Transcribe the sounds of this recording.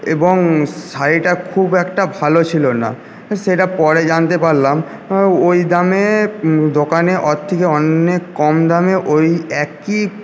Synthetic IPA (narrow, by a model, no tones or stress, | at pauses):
eboŋsajʈakʰubɛkʈabʱalot͡ɕʰilona̰ | ʃeʈapɔɾed͡ʑant̪epaɾlam | ojd̪amed̪okaneʔɔt̪ʰːikeɔnːekːɔmd̪ameʔojɛki